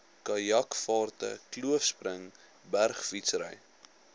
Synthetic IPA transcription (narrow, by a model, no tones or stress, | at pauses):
kɐjɐkfɑːrtə̰kluəfspɾəŋ | bærχfitsɾəj